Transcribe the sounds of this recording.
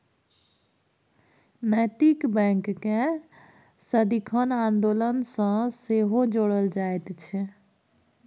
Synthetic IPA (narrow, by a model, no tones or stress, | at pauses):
nəjt̪ikbɛ̃ŋkːẽ | səd̪ikʰənand̪olənsə̃seɦod͡ʒoɽəld͡ʒaet̪t͡ʃʰɛ